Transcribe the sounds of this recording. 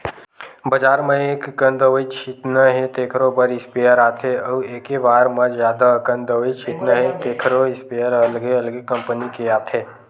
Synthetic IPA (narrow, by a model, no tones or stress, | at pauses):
bɐd͡ʒaːɾmẽeːkkə̃nd̪əʋəit͡ʃʰit̪nəɦet̪eːkʰɾobəɾɪspeːjəɾaːt̪ʰɦeəʋeːkebaːɾmɐd͡ʒzjaːd̪akə̃nd̪əʋit͡ʃʰit̪nəɦet̪eːkʰɾoɪspejəɾɐlɡeɐlɡekɐ̃mpənikeaːt̪ʰɦeː